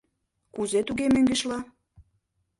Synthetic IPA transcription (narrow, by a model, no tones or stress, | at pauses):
kuzet̪uɣemøŋɡĕʃlɑ